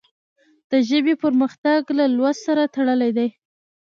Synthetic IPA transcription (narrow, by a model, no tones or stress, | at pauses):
d̪̥əʒəbepəɾməxt̪aɡlalwassaɾat̪aɽəlajd̪aj